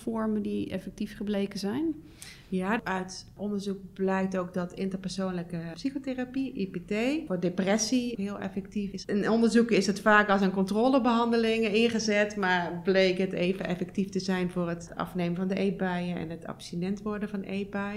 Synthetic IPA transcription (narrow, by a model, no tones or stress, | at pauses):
fɔɹməndiɛ̰fɛk̚tifχəblejkəzɛjn | jaœɥtʔɔndəɹzuk̚blɛjk̚towk̚dɔtɪntərpɛɹsownləkəpsixoterapiʔipetejʊːdeprɛsiɦɪːlˠʔɛ̰fɛk̚tifɪsɪnɔndəɹzukɪsətfaːkɑlˠs̬ənkɔntroːləbəɦɑndəlɪŋəɪnχəzɛtmaːɹblejkəteːvənʔɛfɛk̚tiftəzɛjnvʊːrət | ɑ̰fneːmənvɑndəʔejbɛjəɛ̰nɦətɑ̰psinɛntʋɔɹdənvɑndʔejbaj